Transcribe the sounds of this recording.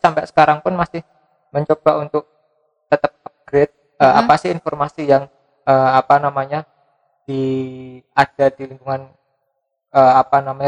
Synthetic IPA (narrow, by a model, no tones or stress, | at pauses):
sampɛʔsə̥kaɾaŋpʊnmasɪh | məɲt͡ʃobaunt̪ʊk̚ | t̪ət̪əp̚ap̚ɡ̥ɾet̪̚ | ʔəapasɪinfɔrmasijaŋ | əmapanamaɲa | d̥i | ad̥adiliŋɡuŋan | əːapanamaɲa